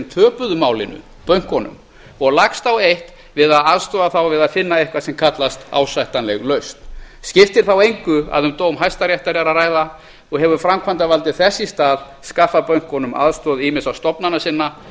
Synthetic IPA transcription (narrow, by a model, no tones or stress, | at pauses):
mt̪ʰœːpʏðʏmaːwlɪnʏ̰ | pœɥŋ̥kɔnʏ̰m | ɔɣlakst̪awejht̪ | vɪðaðaðst̪ɔːðaθawvɪðaðfɪnːaehkvasɛmkʰat̪last̪a̰ːwsajht̪anlɛɣlœɥst̪ | scɪft̪ɪɾ̥θawejŋkʏa̰ðʏmt̪oːwmɦajst̪aɾjɛjht̪aɾɛɾaraːjða | ɔɣhɛvʏfɾamkʰvant̪avalt̪ɪθɛsːist̪aːl | skafːapœɥŋ̥kɔnʏmʔa̰ðst̪ɔðimɪsawst̪ɔpnanasɪnːa